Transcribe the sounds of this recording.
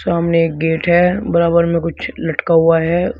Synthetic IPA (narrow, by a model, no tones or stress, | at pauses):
saːmneeːk̚ɡeːʈɦɛbɐɾaːbəɾmẽkʊt͡ʃʰlɐʈkaɦuaɦɛ